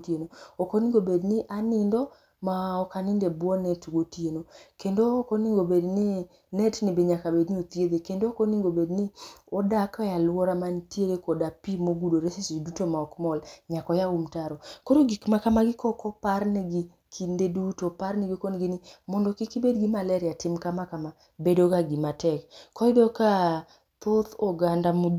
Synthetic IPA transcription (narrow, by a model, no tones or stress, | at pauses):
tjenoɔkoniŋɡobednɪʔanɪndɔ | maɔkanɪndebwɔnetɡotienokendoːkoniŋɡobedni | netnibeɲakabedniot̪jed̪ekendookoniŋɡobedniɔdakɔjalwɔɾamantjeɾekɔdapimoɡudoɾesesdutomaɔkmɔlɲakɔjaumtaɾɔkoɾoɡikmakamaɡɪkɔkɔpaɾniɡi | kʰindedutopaɾnɪɡikɔnɡɪnɪmɔndɔkikibedɡimalɛɾɪatɪmkamakama | bedokaɡimatɛkkːɔidoka | t̪ot̪ɔɡandamu